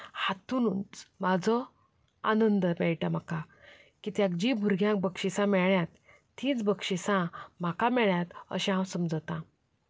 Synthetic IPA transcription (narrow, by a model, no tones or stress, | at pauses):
hat̪ununt͡smad͡zʱɔ | a̰nənd̪əbɛɭʈam̤aka | kiːt̪jak̚d͡ʑibʱuɾɡʱjãŋk̚bəkɕisãmɛɭjat̪ː | ĩːt͡sbəkɕisãm̤akamɛɭjat̪ə̰ɕɛ̃ɦãwsəmd͡zət̪ã